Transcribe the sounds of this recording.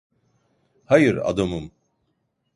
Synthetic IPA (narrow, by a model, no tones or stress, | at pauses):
hajɯɾa̰d̪amɯm